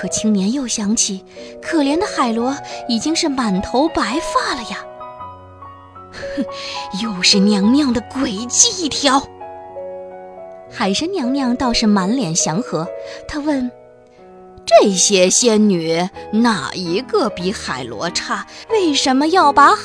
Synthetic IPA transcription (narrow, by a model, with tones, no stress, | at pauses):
kʰɤ˨˩t͡ɕʰi˥ŋnjɛ˧˥njo˥˩ʊɕjɑ˧˥ŋt͡ɕʰi˨˩kʰɤ˨˩ljɛ˧˥nd̪ə˧xa˨˩ɪlwɔ˧˥i˨˩t͡ɕi˥ŋʂɻ̩˥˩ma˨˩nt̪ʰo˧˥ʊpa˧˥ɪfa˥˩lə˩jɐ˩ | jo˥˧ʊʂɻ̩˥˩njɑ˧˥ŋmjɑ˥˩ŋd̪ə˩kwe˨˩ɪt͡ɕi˥˧i˥˩t̪ʰjɑ˥ʊ | xa˧˥ɪʂɻ̩˥˩njɑ˧˥ŋmjɑ˥˧ŋt̪ɑ˥˧ʊʂɻ̩˥˩ma˧˥nljɛ˨˩nɕjɑ˧˥ŋxɤ˧˥t̪ʰa˥wə˥˩n | ʈ͡ʂɤ˥˩ɕjɛ˥ɕjɛ˥nny˨˧˩na̰˨˩i˧˥ɡə˧pi˧˥xa˨˩ɪlwɔ̰˧˥ʈ͡ʂʰa˥˩we˥˩ɪʂə˧˥nmə˧jɑ˥˩ʊpa˧˥